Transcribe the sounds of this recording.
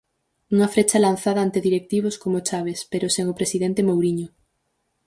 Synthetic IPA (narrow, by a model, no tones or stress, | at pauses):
uŋɐfɾet͡ʃɐlanθaðɐant̪eðiɾek̚t̪iβ̞oskomot͡ʃaβ̞espeɾʊseŋopɾesiðent̪emowɾiɲʊ